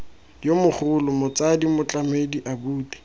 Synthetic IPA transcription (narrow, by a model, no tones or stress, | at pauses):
jomʊχʊlʊmʊt͡sadimʊt͡ɬʼamediʔabuːti̥